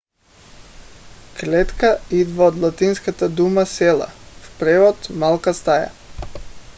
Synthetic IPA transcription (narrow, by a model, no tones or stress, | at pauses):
klɛt̪kaid̪vaod̪lˠat̪inskat̪ad̪umasɛlˠa̰fpɾɛvɔt̪malˠkast̪aja̰